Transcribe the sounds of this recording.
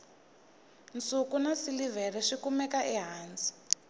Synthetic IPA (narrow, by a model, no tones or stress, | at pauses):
nt͡sʼukunasilivɛrɛʂikumɛkaʔɛɦaːnt͡sʼi̥